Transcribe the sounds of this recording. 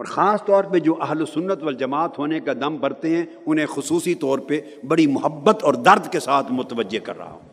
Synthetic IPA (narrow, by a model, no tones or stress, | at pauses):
ɔːɾxaːst̪ɔːɾped͡ʒoːʔɐɦlosʊnːət̪ʋɐld͡ʒɐmaːt̪ɦoːnekad̪ɐmpɐɾt̪eɦɛ̃ | ʊnɦẽxʊsuːsit̪ɔːɾpe | bɐɽimʊɦəbːət̪ɔːɾd̪ɐɾd̪kesaːt̪ʰmʊt̪əʋəd͡ʒːekɐ̰ɾːɐ̰ɦa̰ɦoː